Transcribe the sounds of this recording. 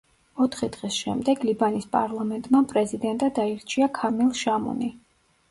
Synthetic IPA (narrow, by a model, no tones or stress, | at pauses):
ɔt̪ʰχid̪ʁisʃɛ̰md̪ɛɡlibanispʼa̰ɾlˠamɛnt̪ʼmapʼɾɛzid̪ɛnt̪ʼad̪aiɾt͡ʃʰiakʰamilˠʃamɔ̰ni